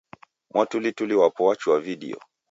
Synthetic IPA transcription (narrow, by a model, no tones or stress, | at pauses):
mwatulituliwapɔwat͡ʃuwaviɗḭɔ̰